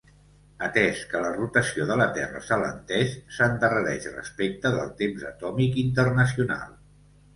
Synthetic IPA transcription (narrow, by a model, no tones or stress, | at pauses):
ət̪ɛskələrut̪əsioðələt̪ɛrə̰sələ̰nt̪ɛʃsənd̪ərəɾɛʃrə̰spek̚t̪əðə̰lˠt̪emzət̪ɔmikint̪ərnəsiuna̰lˠ